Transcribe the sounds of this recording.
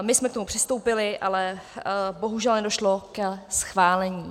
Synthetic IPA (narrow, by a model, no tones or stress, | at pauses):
mɪsmɛkt̪o̞mupr̥ɪst̪owpɪlɪʔalɛ | bo̞ɦuʒɛlnɛdo̞ʃlokɛsxvaːlɛɲiː